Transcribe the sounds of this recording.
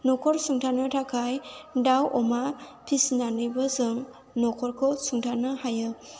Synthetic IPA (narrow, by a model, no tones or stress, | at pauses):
nɔkʰɔɾsuŋtʰanɯtʰakʰajdawʔɔmapʰisnanɯjbɯzɯŋ | nɔkʰɔɾkʰɔsuŋtʰanɯhajɯ